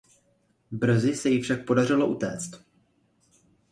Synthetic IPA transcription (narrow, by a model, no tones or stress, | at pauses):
br̩zɪsɛjɪfʃak̚po̞dar̝ɪlo̞ʔut̪ɛ̰ːt͡st̪